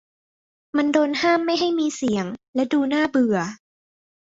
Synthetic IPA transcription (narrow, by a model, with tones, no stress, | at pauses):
ma˧ndoː˧nhaː˥˩mːa˥˩jɦa˥˩jmiː˧si˨˩˦əŋlɛ˦˥duː˧naː˥˩bɯ˨˩ɐ